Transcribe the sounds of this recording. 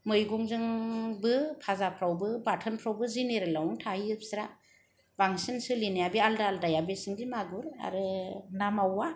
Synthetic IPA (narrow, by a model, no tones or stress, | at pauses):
mɯjɡɔŋzɯŋbɯpʰazapʰɾawbɯbatʰɯnpʰɾawbɯzineɾɯlawuŋtʰaiɯp̚sɾa | b̥aŋsinsɯlinajabialdaːldajabesɯŋdimaɡuɾa̰ɾɯnamawːa